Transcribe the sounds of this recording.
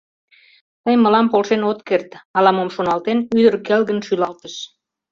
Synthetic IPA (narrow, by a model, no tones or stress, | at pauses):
t̪əjməlɑmpolʃenot̪kert̪ɑlɑmomʃonɑlt̪enyd̪ərkelɣənʃylɑlt̪əʃ